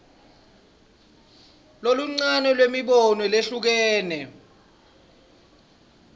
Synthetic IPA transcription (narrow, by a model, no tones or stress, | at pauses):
loluŋ͡ǀanɔlwemiɓɔnwɔleɬuk̬ɛːnɛ